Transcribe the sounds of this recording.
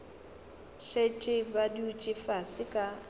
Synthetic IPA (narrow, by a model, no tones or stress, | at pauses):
ʃet͡ʃʼɪbadiut͡ʃʼɪfasɪkʼa